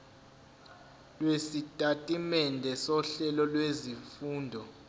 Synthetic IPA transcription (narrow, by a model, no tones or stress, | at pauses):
lwesitʼatʼimɛndʱɛsɔɬɛlɔlwezifuːndʱɔ